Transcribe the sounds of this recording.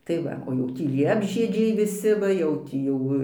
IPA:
tɐɪ ˈʋɐ oː ˈjɛʊ ˈtʲiː lʲiɛbʲʒʲiɛd͡ʒʲɛɪ ʋʲɪˈsʲɪ ˈʋɐ jɛʊ ˈtʲiː jɛʊ

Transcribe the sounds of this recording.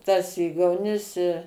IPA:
tɐs ˈiːɡɐʊnʲɪs ɪ

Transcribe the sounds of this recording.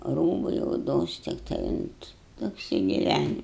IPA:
ˈruːbɐɪ oːˈdoːs tʲɪkˈtɐɪ ʊnt ɐpʲsʲɪɡʲɪˈʋʲænʲɪ

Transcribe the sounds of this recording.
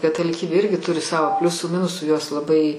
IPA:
kɐtɐlʲɪˈkʲiːbʲeː ˈɪrʲɡʲɪ ˈtʊrʲɪ ˈsɑːʋoː ˈpʲlʲʊsuː ˈmʲɪnʊsuː joːs lˠɐˈbɐɪ

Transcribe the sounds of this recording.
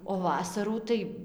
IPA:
oː ˈʋɑːsɐruː tɐɪ

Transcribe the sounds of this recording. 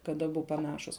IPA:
kɐt ɐˈbʊ pɐˈnɑːʃʊs

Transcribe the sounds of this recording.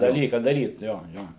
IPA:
dɐˈlʲiːkɑː dɐˈrʲiːt ˈjoː ˈjoː

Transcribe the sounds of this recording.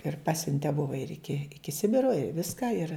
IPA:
ɪr ˈpɑːsʲʊnʲtʲɛ ˈbʊʋɐ ɪr ˈɪkʲɪ ˈɪkʲɪ ˈsʲɪbʲɪroː ɪ ˈʋʲɪskɐ ɪr

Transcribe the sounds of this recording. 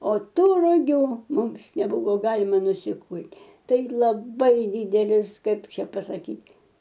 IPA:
oː ˈtuː rʊˈɡʲuː ˈmʊms nʲɛˈbʊʋoː ˈɡɑːlʲɪmɐ nʊsʲɪˈkʊlʲtʲ ˈtɐɪ lˠɐˈbɐɪ ˈdʲiːdʲɛlʲɪs ˈkɐɪp ˈt͡ʃʲɛ pɐsɐˈkʲiːtʲ

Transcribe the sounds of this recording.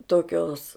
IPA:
toːˈkʲoːs

